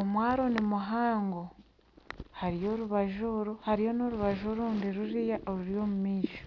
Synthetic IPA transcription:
omwaːɾo̞nimuɦaːŋɡo | haɾijo̞ɾuβaʒoɾuhaɾijo̞noɾuβaʒoɾuːndiɾuɾijaʔoɾuɾjo̞ːmumiːʃo̥

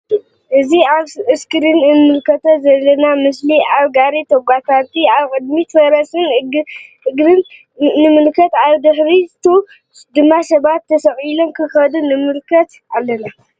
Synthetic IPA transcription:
ʔɨziaβɨskɨɾɨnɨnmɨlkʰɐt̪ʰozɐlːɐnamɨsliaβɡaɾit̪ʰɐɡʷapʰaɾt̪ʰiaβkʼɨd̪mit̪ʰɐɾɐsɨn | ʔɨɡɾɨnː | ɨmɨlkʰɐt̪aβd̪ɨħɾit̪ʰu | d̪ɨmːasɐβat̪ːɐsɐʔʼilomkʰɨxɐd̪unɨmɨlkʰɐt̪ | alːɐna

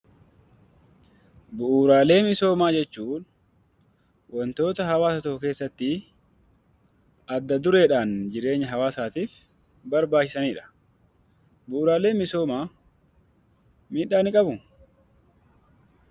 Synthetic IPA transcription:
bʊʔuːɾaːle̞ːmɪso̞ːmaːd͡ʒɛt͡ʃːuːn | wʔɔnt̪o̞ːt̪ɐɦɐwaːsɐt̪ɔhʊke̞ːsːɐt̪ːɪ | ɐd̪ːɐd̪ʊɾe̞ːᶑaːnd͡ʒɪɾe̞ːɲːɐɦɐwaːsaːt̪iːf | bɐɾbaːt͡ʃːɪ̥sɐniːᶑɐ̥ | bʊʔuːɾaːle̞ːnmɪso̞ːmaː | miːᶑaːnɪkʼɐbʊ

